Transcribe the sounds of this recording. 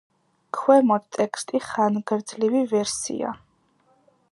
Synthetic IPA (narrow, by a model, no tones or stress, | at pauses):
kʰwɛmɔt̪t̪ʼɛkst̪ʼiχanɡɾd̪zlivivɛɾsḭa̰